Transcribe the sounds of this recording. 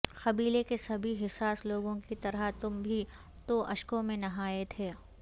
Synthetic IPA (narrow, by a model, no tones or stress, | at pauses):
xɐbiːlekesɐbʱiɦɪsaːsloːɡõkit̪ɐɾət̪ʊmbʱi | t̪oʔɐʃkõmẽnɐɦaːet̪ʰeː